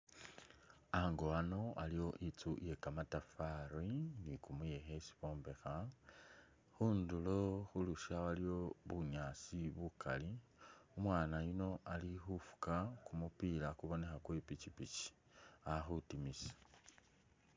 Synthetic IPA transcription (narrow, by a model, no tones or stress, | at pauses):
aŋɡoano̞alijo̞ʔit͡suje̞kamatafaɾinikumuje̞xe̞si̥βo̞ːmbe̞xa | xuːnduloxuluʃawalio̞βuɲaːt͡siβuka̰liumwaːnajino̞alixufu̥kakumupilakuβo̞ne̞xakwepit͡ʃipit͡ʃi̥ | axutimisḁ